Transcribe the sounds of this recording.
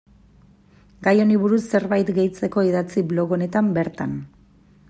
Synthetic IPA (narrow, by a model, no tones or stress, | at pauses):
ɡajo̞niβuɾusːe̞ɾβajt̪ɡe̞jt͡se̞ko̞iðat͡siβlo̞ɣo̞ne̞t̪ambe̞ɾt̪an